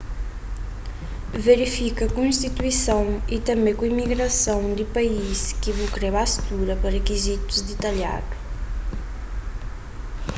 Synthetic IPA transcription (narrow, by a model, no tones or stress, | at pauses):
veɾifikɐkũĩst̪it̪wisãw̃it̪ɐmekuimiɣɾɐsõwd̪ipɐiskivukɾɛβast̪uɾɐpɐɾekizit̪u̥zd̪it̪ɐlja̰ɾu